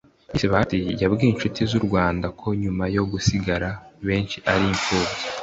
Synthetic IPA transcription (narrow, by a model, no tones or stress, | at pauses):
iseβahatijabɡiːinʃutizuɾɡwaːndakʰo̞ɲumajo̞ɡusiɡaɾaβe̞ːnʃiʔaɾiɱfuːbɟe